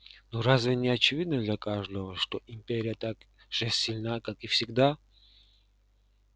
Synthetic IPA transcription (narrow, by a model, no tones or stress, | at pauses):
nuɾazvʲɪnʲɪɐt͡ɕɪvʲid̪nəd̪lʲakaʐd̪əvəʂt̪oʔimpʲeɾʲɪjət̪ak | ʐ̥ɛsʲilʲnakakifsʲɪɡd̪a